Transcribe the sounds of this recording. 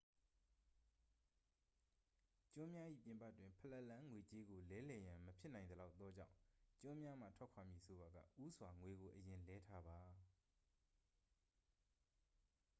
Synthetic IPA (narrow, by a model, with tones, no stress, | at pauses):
t͡ɕʊ̃˦mja˦ʔḭ˦˨pjɪ̃˨mpa̰˦˨twɪ̃˨mpʰə˨lɛ˦ʔlã˦ŋwe˨t͡ɕe˦ɡo˨lɛ˦lɛ˨jã˨məpʰjɪ˦ʔnã˨ɪ̃nd̪əla˦ʊt̪ːɔ˦d͡ʑã̰˦˨ʊ̃t͡ɕʊ̃˦mja˦m̥a̰˦˨tʰwɛ˦ʔkʰwa˨mji˦˨sʰo˨ba˨ɡa̰˦˨ʔu˦sʰwa˨ŋwe˨ɡo˨ʔəjɪ̃˨lɛ˦tʰa˦ba˨